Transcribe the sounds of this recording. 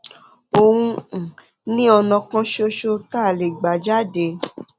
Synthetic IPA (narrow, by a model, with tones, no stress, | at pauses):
o˧wũ˧˨ | nĩ˦ɔ˧nɔ̃˧kã˦ʃo˦ʃo˦ta˦˨le˨ɡ͡ba˨d͡ʒa˦de˨˦